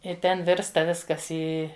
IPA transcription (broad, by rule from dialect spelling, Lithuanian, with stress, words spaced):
ɪr ˈtʲɛn ˈʋʲɪrstɐ ˈʋʲɪskɐs ˈiː